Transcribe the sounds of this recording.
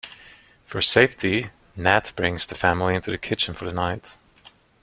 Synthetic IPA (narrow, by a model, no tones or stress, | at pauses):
fə˞seɪftʰi | næt̚b̥ɹɪ̃ŋz̥ðɨfæ̃ml̩ˠiɪ̃ntʰʉðɨkʰɪt͡ʃɨ̃n̩fə˞ðɨnaɪt